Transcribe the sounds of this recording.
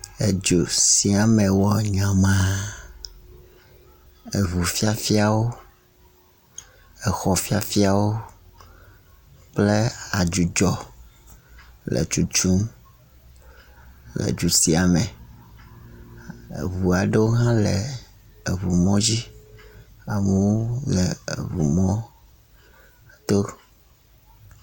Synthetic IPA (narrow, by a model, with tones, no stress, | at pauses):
e˨d͡ʒo˨si˨a˨mɛ̃˨wɔ˨ɲã˨mã˦ | e˨βu˨fi˦a˦fi˦a˨wo˦ | ɛ˨xɔ˨fi˦a˨fi˦a˨wo˦ | k͡ple˦a˨d͡ʒu˨d͡ʒɔ˨ | lʔɛ̰˨t͡ʃu˨t͡ʃu˦m | lɛ̰˨d͡ʒu˨si˨a˨mɛ̃˨ | βu˨a˨ɖe˦wo˦ɦã˦lɛ˨ | e˨βu˨mɔ̃˦d͡ʑi˦ | a˨mũ˦wo˦lɛ̰˨βu˨mɔ̃˦˨ | t̪o˦